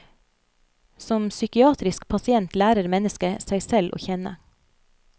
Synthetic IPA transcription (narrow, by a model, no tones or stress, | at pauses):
sɔmsʏkɪɑːt̪ɾɪskpʰɑsɪɛnt̪læːɾəɾmɛnəskəsæɪsɛlʔo̰ːçɛnə̰